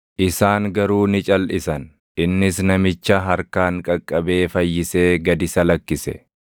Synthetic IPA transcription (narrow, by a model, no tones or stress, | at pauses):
ʔɪsaːŋɡɐɾuːnɪt͡ʃʼɐlʔɪsɐn | ʔɪnːɪsnɐmɪt͡ʃːɐɦɐɾkaːŋkʼɐkʼːɐbe̞ːfɐjːɪse̞ːɡɐd̪ɪsɐlɐkːɪsɛ̰